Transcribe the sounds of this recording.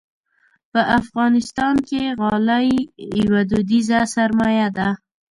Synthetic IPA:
pəʔafɣɑnɪst̪ɑnkeɣɑlajwad̪ud̪izasaɾmɑjad̪a

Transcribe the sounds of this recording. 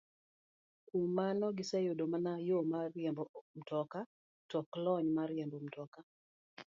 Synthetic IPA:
kumanɔɡɪsajodomanajomaɾjɛmbɔm̩tɔka | tɔklɔɲmaɾɪɛmbom̩tɔka

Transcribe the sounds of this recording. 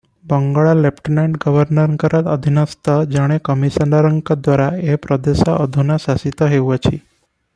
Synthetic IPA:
bəŋɡaɭalepʈineɳʈɡəʋəɾnəɾkəɾat̪əd̪ʱinəst̪əd͡ʒaɽ̃ekəmisənaɾəŋkəd̪ʋaɾaepɾəd̪eʃa̰ʔəd̪ʱunasasit̪ɔɦewat͡ʃʰi

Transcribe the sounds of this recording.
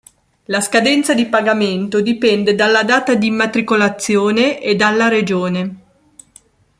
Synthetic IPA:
laskad̪ɛnt̪sad̪ipaɡament̪od̪ipɛnd̪ed̪alːad̪aːt̪ad̪imat̪ɾikolat̪sːjoːneʔed̪alːaɾed͡ʒoːne

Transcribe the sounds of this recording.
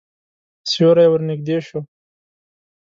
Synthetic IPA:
sjoɾajwəɾnɪɡ̚d̪eːʃo

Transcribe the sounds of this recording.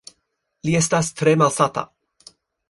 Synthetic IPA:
liestast̪ɾemalsata̰

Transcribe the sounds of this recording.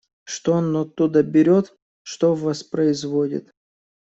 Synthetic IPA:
ʂt̪oonːɔt̪ːud̪əbʲɪɾʲot̪ | ʂt̪ovɐspɾəɪzvodʲɪ̰t̪

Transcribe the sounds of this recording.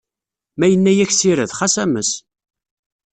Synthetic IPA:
mæjənːæjæçsiɾəðχasæməs

